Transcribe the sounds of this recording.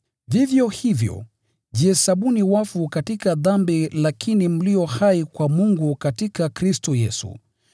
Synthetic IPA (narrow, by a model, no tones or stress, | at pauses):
vivjɔhivjɔ̰ | ʄiɛsaɓuniwafukatikaðambilakʰinim̩liɔhaikwamuŋɡukatikakɾistɔjɛsṵ